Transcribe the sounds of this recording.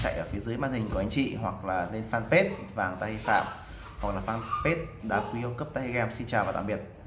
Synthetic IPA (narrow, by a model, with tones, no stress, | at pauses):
t͡ɕa̰˧˨jʔəː˧˩fi˨˦əzɨː˨˦jmaː˧nhi˨˩ŋ̟kwha˨˦ŋt͡ɕḭ˧˨ɦwa˨˩k̚laː˨˩le˧nfaː˧npe˦˥t̚vaː˨˩ŋt̪aː˧hi˧fa̰ː˧˨m | hwa˨˩k̚laː˨˩faː˧npe˦˥t̚ɗa̰ː˧˥kwi˨˧ə˧kə˦˥p̚t̪aː˧hi˧ɣɛ˧msi˧nt͡ɕaː˨˩vaː˨˩t̪a̰˧˨ɓi˨˩ət̚